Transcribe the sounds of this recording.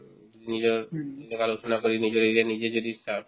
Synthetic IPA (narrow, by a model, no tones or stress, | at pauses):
nid͡ʑoɾnekaloʃonakoɾinid͡ʑoɾeɾenid͡ʑed͡ʑod̪isab